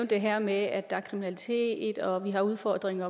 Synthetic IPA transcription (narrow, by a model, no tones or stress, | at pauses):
ʊnd̥e̝ɦeɐ̰meæd̥ɑ̈æɐkʰʁiminælit͡sʰe̝̰ːd̥ɒ̽ʋiɦɑ̈uðˠfɒd̥ʁeŋɐ